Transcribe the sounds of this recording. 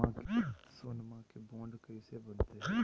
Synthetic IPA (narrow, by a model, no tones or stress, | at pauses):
ãkeesoːnmãkebõːɳɖkɐisebɐnt̪eɦɛ